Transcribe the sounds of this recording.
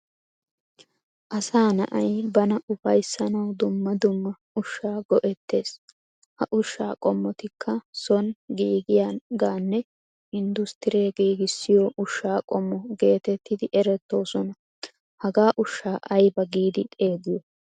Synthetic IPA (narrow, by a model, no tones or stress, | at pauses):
ʔɐsaːnɐ̰ʔɐjbɐnɐʔʊfɐjsːɐnɐwd̪ʊmːɐd̪ʊmːɐ | ʊʃːaːɡɔʔɛt̪ːe̞ːs | hɐʔʊʃːa̰ːkʼɔmːɔt̪ɪkʰːɐsɔnɡiːɡɪjaːɡaːnːɛ | ɪnd̪ʊst̪ɪɾeːɡiːɡɪsːɪjɔʔʊʃːaːkʼɔmːɔɡe̞ːt̪ɛt̪ːɪd̪ɪʔɛɾɛt̪ːo̞ːsɔnɐ | hɐɡaːʔʊʃːaːʔɐjbɐɡiːd̪ɪt̪ʼe̞ːɡɪjɔ